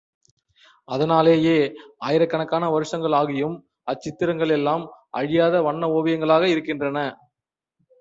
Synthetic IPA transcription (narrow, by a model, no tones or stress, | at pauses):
ɐðɐnaːleːjeːaːjɪɾɐkːɐɳɐkːaːnɐʋɐɾɯʂɐŋɡɐɭaːɣɪjɯm | ɐt͡ʃːɪt̪ːɪɾɐŋɡɐɭɛlːaːmʔɐ̰ɻɪjaːðɐʋɐɳːɐoːʋɐjɐŋɡɐɭaːɣɐɪɾɯkːɪndrɐnɐ